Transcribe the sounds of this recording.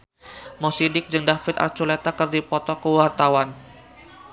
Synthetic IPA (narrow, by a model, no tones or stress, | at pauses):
mɔsidɪk̚d͡ʒɨŋdafɪt̪a̰rt͡ʃulet̪akɨrdipɔt̪ɔkəwart̪awan